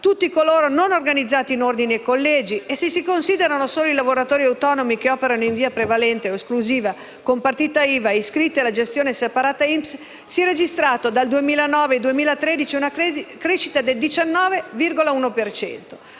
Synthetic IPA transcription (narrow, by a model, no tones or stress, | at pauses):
t̪ut̪ːikoloːɾononorɡanid̪zːaːt̪iːnord̪iniekːolːɛːd͡ʒiesisikonsiːd̪eɾanosoːloilavoɾat̪oːɾiawt̪ɔːnomikeɔːpeɾanoiɱviːapɾevalɛnt̪eoeskluziːva | kompart̪iːt̪aiːvaiskɾit̪ːealad͡ʒest̪joːnesepaɾaːt̪aimps | siɛred͡ʒist̪ɾaːt̪od̪ald̪uemiːlanɔːved̪uemiːlat̪ɾɛːd̪it͡ʃiunakɾeʃit̪ad̪eld̪it͡ʃanːɔːvevirɡolauːnopert͡ʃɛ̰nt̪o̥